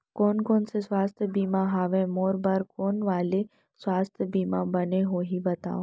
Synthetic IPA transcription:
koːnkoːnseswaːst̪ʰjəbiːmãɦaːʋẽmoːɾbɐɾkoːnʋaːle | swaːst̪ʰjəbiːmãbɐneɦoːɦibɐt̪a̰ːoː

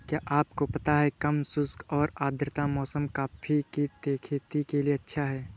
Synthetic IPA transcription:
kjaːʔaːp̚kopɐt̪aɦɛkɐmsʊskɔːɾaːd̪ɾɪt̪amɔːsəmkaːpʰit̪it̪eːkʰeːt̪ikelieɐtːʃʰaɦɛː

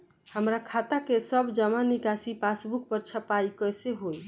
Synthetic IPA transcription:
həmɾakʰat̪akesəbd͡ʒəmanikasipasbuk̚pəɾt͡ʃʰəpaikəjseɦoj

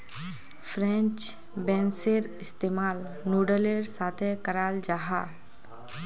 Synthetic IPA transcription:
pʰɾɛ̃nt͡ʃ | bɛ̃nseɾɪst̪eːmaːl | nuɖəleɾsaːt̪ʰekəɾaːld͡ʒaːɦa

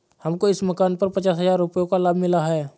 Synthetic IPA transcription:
hɐmkoɪsməkaːnpɐɾpət͡ʃaːsɦəzaːɾːʊpjokalaːbʱmɪlaɦɛː

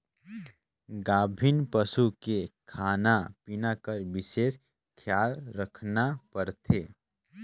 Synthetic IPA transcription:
ɡaːbʱinpəsukekʰaːnapinakəɾʋɪʃeːs | kʰjaːlɾəkʰnapəɾt̪ʰeː

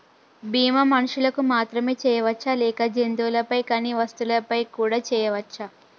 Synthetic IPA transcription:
biːmɐmɐnuʂulɐkumaːt̪ɾɐmeːt͡ʃɛːjɐʋɐt͡ʃːalɛːkɐd͡ʒend̪uːlɐpɐjkaːniːʋɐst̪ulɐpɐjkuːɽaːt͡ʃɛːjɐʋɐt͡ʃːa

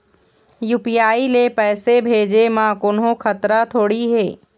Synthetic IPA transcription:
juːpijaːilepɛːsebʱeːd͡ʒemãːkʊnɦõkʰɐt̪ɾat̪ʰoːɽiɦeː

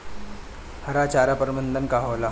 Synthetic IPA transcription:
həɾat͡ɕaɾapəɾmənd̪ənkaɦoʋla

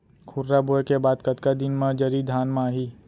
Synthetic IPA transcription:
kʰʊɾɾaboekebaːd̪kɐt̪kad̪ɪnmãd͡ʒɐɾid̪ʱaːnmãːɦiː

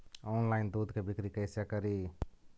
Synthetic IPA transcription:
oːnlaɪnd̪ud̪kebʱikɾikəɪsjakəɾi

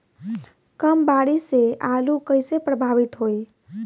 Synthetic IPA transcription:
kəmbaɽiseʔalukəɪsepɾəbʱaʋit̪ɦoj

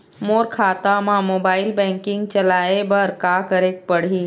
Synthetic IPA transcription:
moːɾkʰaːt̪amãmoːbaːɪlbɛ̃ːŋkɪ̃ŋɡt͡ʃɐlaːebəɾkaːkəɾeːk̚pəɽ̤i

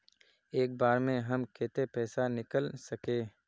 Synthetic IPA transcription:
eːk̚baːɾmẽɦɐmkʰeːt̪epɛːsanɪkəlsɐkeː

